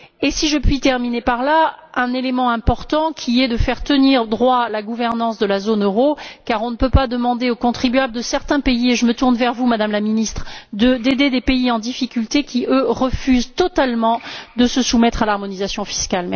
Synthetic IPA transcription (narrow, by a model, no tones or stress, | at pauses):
esiʒəpɥit̪ɛʁminepaʁlaɛ̃nelemɑ̃ɛ̃pɔʁt̪ɑ̃kʲʰiɛd̪əfɛʁt̪əniʁd̪ʁwalaɡuvɛʁnɑ̃sd̪əlazonøʁokaʁɔ̃nəpøpad̪əmɑ̃d̪eokɔ̃t̪χibɥabld̪əsɛʁt̪ɛ̃peieʒəmət̪uʁnvɛʁvumad̪amlaminist̪χd̪əd̪ed̪ed̪epeiɑ̃d̪ifikʲylt̪ekʰʲiøʁəfyzt̪ɔt̪almɑ̃d̪əsəsumɛt̪χalaʁmɔnizasjɔ̃fi̥skalmɛ